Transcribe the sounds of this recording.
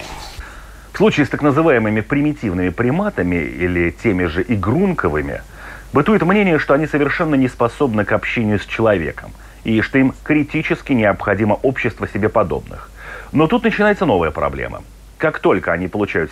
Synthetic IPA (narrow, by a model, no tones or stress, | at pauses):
fslˠut͡ɕiːst̪aknəzɨvajɪmɨmʲɪpɾʲɪmʲɪtʲivnɨmʲɪpɾʲɪmat̪əmʲɪ̰ḭlʲɪtʲemʲɪʐɨʔɪɡɾunkəvɨmʲɪ̰ | bɨt̪ujɪt̪mnʲenʲɪjəʂt̪o̞ɐnʲisəvʲɪrʂɛnːənʲɪspɐso̞bnɨkɐpɕːenʲɪjʊsʲt͡ɕɪlˠɐvʲe̞̰kəm | iʂt̪o̞imkɾʲɪtʲit͡ɕɪskʲɪnʲɪɐpxɐdʲiməʔo̞pɕːɪst̪vəsʲɪbʲe̞pɐd̪o̞̰bnɨ̰x | no̞t̪ut̪nət͡ɕɪnajɪt̪səno̞vəjəpɾɐ̰blʲḛmʔə̰ | kakt̪o̞lʲkəɐnʲipəlˠʊt͡ɕæjʊt̪